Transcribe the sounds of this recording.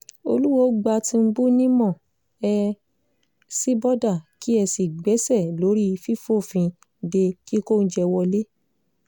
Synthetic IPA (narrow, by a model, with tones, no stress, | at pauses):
o̰˧lu˦wɔ˧˨˦ɡ͡ba˧tĩ˧m̩˦bu˦nĩ˦mɔ̃˦˨ | ɛ˧ | si˦bɔ˦da˦˨ki˦ɛ˧si˨ɡ͡bɛ˨˦sɛ˦˨lo˨˦ɾi˦˧fi˦fo˦˨fĩ˧ | de˧ki˦ko˦˨n̩˦d͡ʒɛ˧wɔ˧le˦